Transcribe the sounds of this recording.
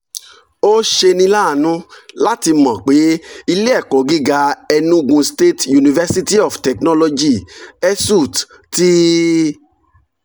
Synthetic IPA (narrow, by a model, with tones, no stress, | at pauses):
o˦ʃe˧nĩ˧˦la˦˨nũ˦la˦ti˧mɔ̃˨k͡pe˨˦i˧le˦ɛ˦˨kɔ˨ɡi˦ɡa˧ɛ˧nũ˦u˧ɡũ˧ste˦tju˨nĩ˨vɛ˦si˦ti˦ɔ˨ftɛ˨knɔ˦lɔ˧d͡ʒi˦˨ɛ˦su˦˨t | ti˦